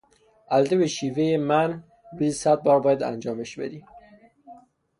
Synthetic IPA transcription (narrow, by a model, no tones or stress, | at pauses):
æld̪eβeʃivejemæn | bisæt̪̚bɒːɾbɒːjad̪æ̰nd͡ʒɒːmeʃbḛd̪i